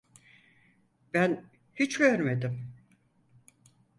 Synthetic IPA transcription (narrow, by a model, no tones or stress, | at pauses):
b̥æn | hit͡ʃɟøɾme̞d̪ɪm